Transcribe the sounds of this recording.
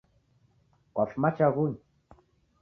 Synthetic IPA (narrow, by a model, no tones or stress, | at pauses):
kwafmat͡ʃaɣuɲ